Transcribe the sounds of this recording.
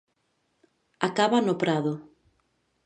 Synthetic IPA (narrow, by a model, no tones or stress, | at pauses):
akaβanʊpɾaðʊ